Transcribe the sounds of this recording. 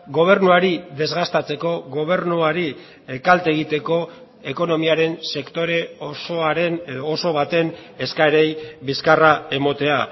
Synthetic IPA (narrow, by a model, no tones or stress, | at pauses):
ɡo̞β̞e̞ɾnuaɾiðe̞zɣast̪at͡se̞ko̞ɣo̞β̞e̞ɾnuaɾi | ekalt̪e̞ɣit̪e̞ko̞ | eko̞no̞miaɾe̞nse̞kt̪o̞ɾe̞osoaɾeneðoːso̞β̞at̪e̞ne̞skaeɾe̞jbiskarae̞mo̞t̪e̞a